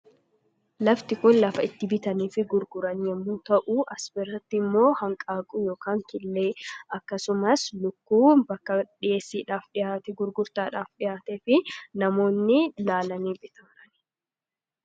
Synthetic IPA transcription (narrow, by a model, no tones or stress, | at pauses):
lɐft̪ɪkʊnlɐfɐɪt̪ːɪbɪt̪ɐniːfɪɡʊɾɡʊɾɐnjɛmːʊnt̪ɐʔuʔɐsbɛrːɐt̪ːɪmːo̞ːhɐŋkʼaːkʼujo̞ːkaːŋkɪlːeːɐkːɐsʊmɐslʊkːuːbɐkːɐᶑɪjeːsːiːᶑaːfᶑɪjaːt̪ɛɡʊɾɡʊɾt̪aːᶑaːfᶑɪjaːt̪ɛːfɪnɐmo̞ːnːɪlaːlɐniːbɪt̪ɐːɾɐn